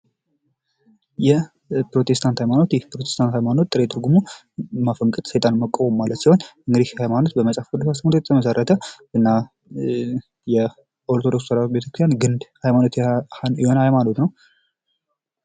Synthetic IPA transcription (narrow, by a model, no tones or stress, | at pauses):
jɛ | pɾo̞t̪ʰest̪ʰant̪hajmano̞t̪jɛpɾot̪ʰest̪ʰant̪hajmano̞t̪ːʼɨɾet̪ʰʼɨɾɡumu | mafəŋkʼɨt̪səjt̪ʼanməkʼːowʼomːalət̪siho̞nɨŋɡɨd̪ihhajmano̞t̪bəməsʼafkʼɨd̪usast̪mt̪ojt̪ʰəməsərːət̪ʰə | ɨnːa | jɛ | ʔo̞ɾt̪ʰo̞do̞kssəɾat̪be̞t̪ʰəkɾɨst̪janɡɨnd̪hajmano̞t̪jɛho̞nhajmano̞t̪nəw